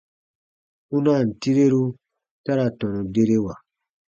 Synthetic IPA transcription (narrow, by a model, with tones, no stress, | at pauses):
ũ˦na˦˨n̩˨ti˦ɾe˦ɾu˦ | ta˦ɾa˨tɔ̃˨nũ˨de˦ɾe˦wa˨